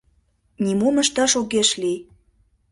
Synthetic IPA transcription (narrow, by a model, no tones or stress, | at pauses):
nʲimomə̆ʃt̪ɑʃoɣeʃli